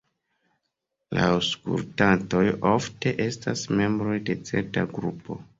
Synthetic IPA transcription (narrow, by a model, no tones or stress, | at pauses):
lawskṵltanto̞jo̞fte̞ʔe̞stasme̞mbɾo̞jde̞t͡se̞̰ɾtaɡɾupo̞̰